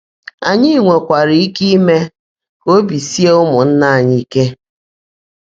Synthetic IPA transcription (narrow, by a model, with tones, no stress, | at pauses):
a˨ɲɪ˦˨ŋʷe˨kʷa˨ɾi˨˦i˦ki˦me˦ | o˦bi˨si˦e˦ʊ˦mʊ˨n̩˦na˦˨a˨ɲɪ˦i˦ke˦